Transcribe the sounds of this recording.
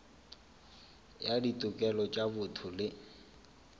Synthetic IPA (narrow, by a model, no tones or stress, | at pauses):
jaditʼʊkʼɛlɔt͡ʃʼabʊtʰʊlɪ